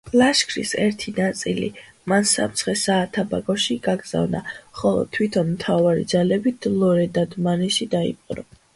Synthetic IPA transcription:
laʃkʰɾisɛɾt̪ʰinat̪sʼilḭ | mansa̰mt̪sʰχɛsaːt̪ʰabaɡɔʃiɡ̥aɡz̥a̰vna̰χɔlˠɔ̰t̪ʰwit̪ʰɔnmt̪ʰavaɾḭd̪zalɛbit̪̚lɔɾɛd̪ad̪manɛʃid̪aḭpʼqʼnɔ̰

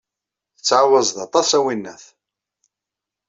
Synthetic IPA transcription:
θət͡sːʕawəzˤðɑt̪ˤɑsæwinːæθ

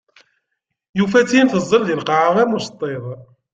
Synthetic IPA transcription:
jufæt͡sːinθəzˤːəɾðilqɑʕaʁæmust̪ˤːeðˤ

